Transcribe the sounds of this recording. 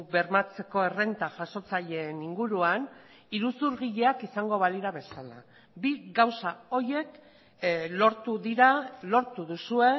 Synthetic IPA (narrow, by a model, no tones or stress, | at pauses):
be̞ɾmat͡se̞ko̞e̞re̞nt̪aʝaʃo̞t͡saʎe̞ːniŋɡuɾuan | iɾusuɾɣiʎe̞akisaŋɡo̞βaliɾaβe̞sala̰ | biɣawsao̞je̞k | lo̞ɾt̪uðiɾalo̞ɾt̪uðusue̞